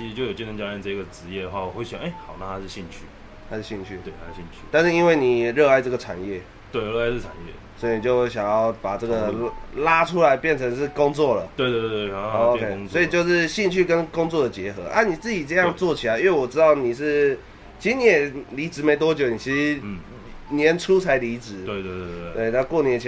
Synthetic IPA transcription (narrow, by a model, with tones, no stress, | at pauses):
t͡ɕʰi˧˥˧t͡ɕjo˥˩ʊjt͡ɕi˥˧nʰə˧˥t͡ɕa˥a˥˧nt͡sa˥˧i˥ɡə˩ʈ͡ʂɻ̩˧˦jɛ˥˩ə˩xwa˥˩wɔ˨˩xwe˥˩ɕw̰̃e˥˩xɑ˨˩ʊna˥˧˩t̪ʰa˥ʂɻ̩˥˧˩ɕi˥˧ŋt͡ɕʰy̰˥˩ | t̪ʰa˥ʂɻ̩˥˩ɕi˥˩ŋt͡ɕʰy˥˩we˥˩a˦ʂɻ̩˥˩ɕi˥˧nt͡ɕʰy̰˥˩t̪a˥˧nʂɻ̩˥˩i˥nwe˥˩ɪni˨˩ɛ˨˩ɻə˥˧a˥˧ɪʈ͡ʂɤ˥˩ɡə˩ʈ͡ʂʰa̰˨˩njɛ˥˨ | t̪we˥˩ɪɻə˥˧a˥˧ʂ̩˥˩ʈ͡ʂʰa˨˩njɛ̰˥˩swɔ˧˥i˨ni˨˩t͡ɕjo˥˧ʊ˥ɕ̬jɑ˨˩ŋjɑ˥˩ʊpa˨˩ʈ͡ʂɤ˥˩ɡə˩˧la˦˥ʈ͡ʂʰu˦la˧˦ɪpjɛ˥˩nt͡sʰə˧˥ŋʂɻ̩˥˧kʊ˥˦ŋt͡swɔ˥˩lə˩we˥˧t̪we˥˧˥te˥˩˨o˧kʰe˥ɪswɔ˧˥i˨t͡ɕjo˥˧ʊʂɻ̩˥˧ɕi˥˧ŋt͡ɕʰy˥˩kə˦nkʊ˥ŋt͡swɔ˥˩d̪ə˩t͡ɕjɛ˧˥xɤ˧˦ʔa̰˥˩ni˨˩t͡sɹ̩˥˩t͡ɕi˨˩t͡sɤ˥˧jɑ˥˧ŋt͡swɔ˥˩t͡ɕʰi˨˩la˧˦ɪi˥we˥˩wɔ˨˩ʈ͡ʂɻ̩˥t̪ɑ˥˩ʊni˨˩ʂɻ̩˥˩ | t͡ɕʰi˧˥˧ni˨˩jɛ˨˩li˧˥ʈ͡ʂɻ̩˧˥me˧˥ɪt̪wɔ˥t͡ɕjo˨˩ʊni˨˩t͡ɕʰi˧˥ʂ̩˧˩ | njɛ˧˦nʈ͡ʂʰu˦t͡sʰa˧˥ɪli˧˥t͡sɻ̩˨˦we˥˧we˥˧twe˥˩ɪna˥kwɔ˥˩ni˨˧˩